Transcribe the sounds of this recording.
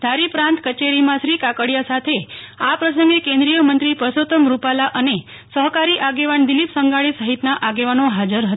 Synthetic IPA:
d̪ʱaɾipɾãnt̪kət͡ʃeɾimãʃɾikakəɽjasat̪ʰe | apɾəsəŋɡekẽnd̪ɾijəmənt̪ɾipɾəsot̪əmɾupalaʔəne | səɦkaɾiʔaɡeʋand̪ilipsəŋɡaɭisəɦit̪naʔaɡeʋanoɦad͡ʒəɾɦət̪

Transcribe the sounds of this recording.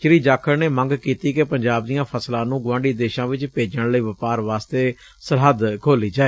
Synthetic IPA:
t͡ʃɪɾiːd͡ʒaːkʰəɾneːmə̃ŋɡkiːt̪iːkepəɲd͡ʒaːb̚d̪ijãːpʰəslãːnũːɡʋãːɳɖiːd̪eːʃãːʋɪt͡ʃpeːd͡ʒəɽləiːʋəpaːɾʋaːst̪eː | səɾɦəd̪kʰoːliːd͡ʒaːeː

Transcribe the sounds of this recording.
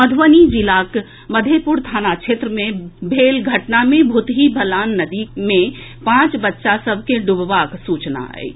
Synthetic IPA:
məd̪ʱʋənid͡ʒilak | məd̪ʱepuɾt̪ʰanat͡ʃʰet̪ɾəmebʱelɡʱəʈnamẽbʱut̪ɦibʱəlaːnːəd̪imẽ | pãt͡ʃbətːʃasəbʱkeɖubʋaksut͡ʃna̰ɦɛ̰j

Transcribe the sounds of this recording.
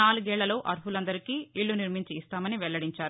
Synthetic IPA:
aːluɡɛːɭːɐlo̞ːʔɐɾpulɐnd̪ɐɾikiːiɭːuniɾmiɲt͡ʃiːst̪aːmɐniʋɛɭːɐɽiɲt͡ʃaːɾu

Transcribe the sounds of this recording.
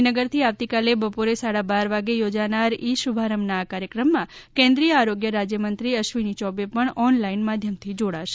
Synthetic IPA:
nəɡəɾt̪ʰiaʋt̪ikalebəpoɾesaɽabaɾʋaɡejod͡ʒanaɾiʃubʱaɾəmnaːkaɾjəkɾəmːãkɛ̃nd̪ɾijəaɾoɡjəɾad͡ʒjəmənt̪ɾiəʃʋinit͡ʃɔbepəɳɔnlainmad̪ʱjəmt̪ʰid͡ʒoɽaʃe

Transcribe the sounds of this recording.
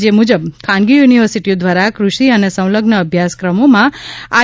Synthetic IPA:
d͡ʒemud͡ʒəbkʰãnɡijuniʋəɾsiʈiod̪ʋaɾakɾuʃiənesə̃w̃ləɡnəːbʱjaskɾəmomãa̰

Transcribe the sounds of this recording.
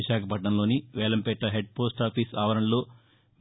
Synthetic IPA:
iʃaːkʰɐpɐʈɳɐmlo̞ːniʋɛːlɐmpɛʈːɐɦeɖ̚poːsʈaːpʰiːsaːʋɐɾɐnlo̞ː

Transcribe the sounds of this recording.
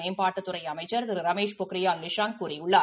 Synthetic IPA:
eːmpaːʈːɐt̪ːɯrɐɪɐmɐɪt͡ʃːɐɾt̪ɪɾɯɾɐmeːʂpʊkɾɪjaːlʋɪʂaːŋkuːɾɪjʊɭːa

